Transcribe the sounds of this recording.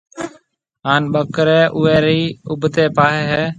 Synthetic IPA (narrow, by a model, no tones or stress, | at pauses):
ɦaːnɓəkɾɛːʔʊːeːɾiːʊbʱt̪eːpaːɦeːɦeː